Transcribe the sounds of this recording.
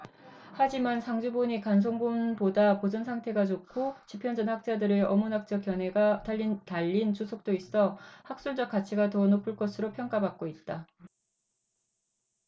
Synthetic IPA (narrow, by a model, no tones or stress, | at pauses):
had͡ʑimansʰaŋd͡ʑubuɲikans̬ʰoŋbunbodapod͡ʑʌnsʰaŋtʰe̞ɡad͡ʑokʰot͡ɕipʰjʌnd͡ʑʌnhak̚t͡ɕ͈adɯɾɯʔʌmunak̚t͡ɕ͈ʌk͈jʌnɦeɡataitaʎːint͡ɕusʰok̚t͈ois͈ʌhak̚s͈uɭd͡ʑʌk͈̚at͡ɕʰiɡatʌnopʰuɭk͈ʌsʰɯɾopʰjʌŋk͈abak̚k͈oit̚t͈a